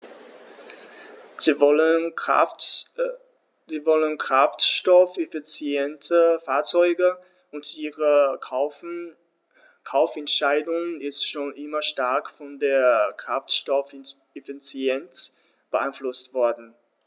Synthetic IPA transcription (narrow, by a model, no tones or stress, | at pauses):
ziːvɔlənkʁ̥aftʃtɔfefit͡sjɛntəfaːɐt͡sɔʏɡə | ʊntʔiːʁə | kʰaʊfɛntʃaɪdʊŋənɪstʃoːnʔɪmɐʃtaɐkfɔndeːɐkʁ̥aftʃtɔf | efit͡sjɛnt | b̥əʔaɪnflʊstv̥ɔɐdn̩